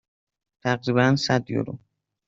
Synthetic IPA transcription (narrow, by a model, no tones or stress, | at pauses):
t̪ʰæɢɾiːβænsæd̪jo̰ɾṵ